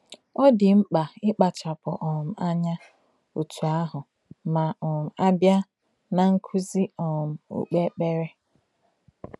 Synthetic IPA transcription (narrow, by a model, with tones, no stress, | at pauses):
ɔ˦dɪ˨ŋ͡m̩˦k͡pa˨ɪ˦k͡pa˨t͡ʃa˨pʊ˨ʔɔ˨m̩˨a˦ɲa˦ | u˨tʰu˨a˦ɦʊ˨ | ma˨ɔ˨m̩˨a˦bja˦ | na˨ŋ̩˦kʰu˦zi˦ɔ˨m̩˨ṵ˨k͡pe˦k͡pe˦ɾe˦